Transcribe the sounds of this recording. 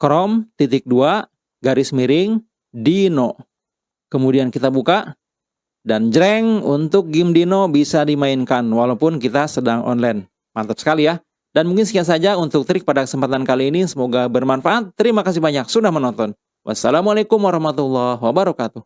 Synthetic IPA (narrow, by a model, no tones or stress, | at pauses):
kɾɔmt̪it̪ɪk̚dua | ɡaɾɪsmiɾɪŋ | dino | kəmudiankit̪abuka | dand͡ʒəɾɛŋunt̪ʊk̚ɡɪmdinobisadimaɪnkanwalawpʊnkit̪asədaŋʔɔ̰nlan | mat̪əp̚sə̥kalija | danmuŋkɪnsəkiat̪sad͡ʒaunt̪ʊk̚t̪əɾɪk̚padakəsəmpat̪ankaliːnisəmoɡabərmanfaat̪ːəɾimakas̬ɪhbaɲaksudahmənɔnt̪ɔn | wʔa̰sːalamualakʊmwaɾɑhmat̪ulːahwabaɾɔkat̪uh